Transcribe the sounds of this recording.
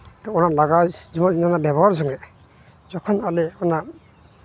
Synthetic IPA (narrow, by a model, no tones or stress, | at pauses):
t̪ɔɔnalaɡazimɔninanabɛbɔɦaɾs̬ɔŋɛ | zɔkʰɔnalɛɔnaɾ